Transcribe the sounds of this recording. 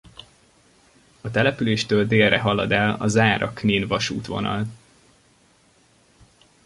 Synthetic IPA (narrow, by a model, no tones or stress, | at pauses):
ɒt̪ɛlɛpyleːʃt̪øːld̪eːlːɛɦɒlɒd̪ɛlɒzaːɾʔɒkniːnvɒʃuːt̪ʋo̞̰nɒ̰l